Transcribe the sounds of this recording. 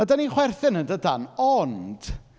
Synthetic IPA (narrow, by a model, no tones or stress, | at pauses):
ədaniχwɛrθɨnəndədanɔnd̥